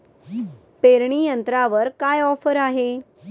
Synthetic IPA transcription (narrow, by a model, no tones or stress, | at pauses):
peɾɳijənt̪ɾaʋəɾkajɔfəɾaɦe